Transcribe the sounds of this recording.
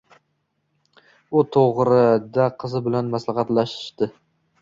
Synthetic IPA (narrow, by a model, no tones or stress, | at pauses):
ʊt̪ʰoʁɾɪd̪aqʰɨzɪbɪlanmaslɑχɑt̪laʃɪ̥ʃd̪ɪ